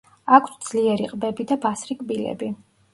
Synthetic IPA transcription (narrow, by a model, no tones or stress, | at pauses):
akʰsd̪z̥liɛɾiqʼbɛbid̪abasɾikʼbilɛ̰bi